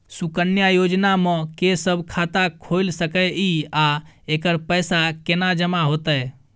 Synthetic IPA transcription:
sukənjajod͡ʒnamẽkesəbʱkʰat̪akʰojlsəkəiaekəɾpəjsakenad͡ʒəmaɦot̪əj

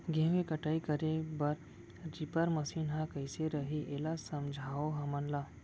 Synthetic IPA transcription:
ɡẽːʋẽkəʈaːikəɾebɐɾ | ɾipəɾməsiːnɦãkəjseɾəɦiʔeːlasɐmd͡ʒʱaːoɦɐmənlaː

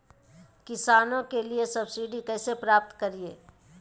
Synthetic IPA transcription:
kɪsaːnõkeliesɐbsiːɖikɛːsepɾaːp̚t̪kɐɾieː

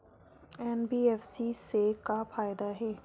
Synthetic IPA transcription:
ɛːnbiːɛːfsisekapʰaːɪd̪aɦɛː

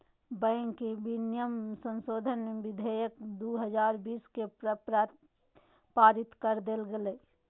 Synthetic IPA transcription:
bɛ̃ːŋkebinjəmsə̃nsoːd̪ʱənbɪd̪ʱejəkd̪uɦəd͡ʒaːɾbiːskepɾ | paːɾɪt̪kəɾd̪elɡeleː

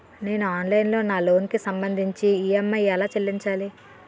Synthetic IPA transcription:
ne̞ːnuaːnlɐjnlo̞ːnaːlo̞ːnkisɐmbɐnd̪ʱiɲt͡ʃiiːɐmːɐjɛlaːt͡ʃelːiɲt͡ʃaːli

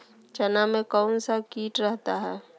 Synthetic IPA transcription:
t͡ʃɐnamẽkɔːnsakiːʈɾɛɦt̪aɦɛː

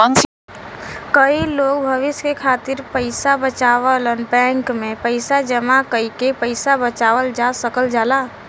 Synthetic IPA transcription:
ə̃ŋs | kəiloːɡ̚bʱəʋɪskekʰaːt̪ɪɾpəɪsabət͡ʃaːʋələnbɛ̃ːŋkmẽpəɪsad͡ʒəmakəikepəɪsabət͡ʃaːʋəld͡ʒasəkəld͡ʒaːla

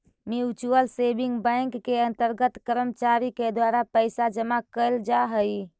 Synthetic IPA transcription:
miut͡ʃuəlsebiŋɡbə̃ɪŋkːeənt̪əɾɡət̪kəɾəmət͡ʃaɾiked̪waɾapəɪsad͡ʒəmakəɪld͡ʒaɦəj

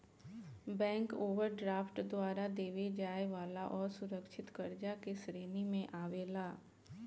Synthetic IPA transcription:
bɛ̃ːŋkoːʋəɾɖɾaːfʈd̪ʊaːɾad̪eːʋed͡ʒaːeʋaːlaʔɔːɾsʊɾəkʃʰɪt̪kɐɾd͡ʒakesɾeːnimẽʔaːʋeːlaː

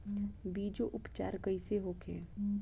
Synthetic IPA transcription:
biːd͡ʒoʔʊpt͡ʃa̰ːɾkəiseɦoːkʰḛ̃ː

